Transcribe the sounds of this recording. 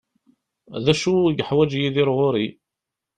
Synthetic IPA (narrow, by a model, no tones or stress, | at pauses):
ðæʃuɡħwæd͡ʒjiðiɾʁʊɾi